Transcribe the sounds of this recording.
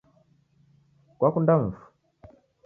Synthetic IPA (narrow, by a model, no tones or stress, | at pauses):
kwakundam̩fu̥